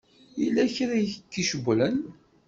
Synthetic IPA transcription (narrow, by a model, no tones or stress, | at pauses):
ilːæçɾæjkːiʃəɡʷlən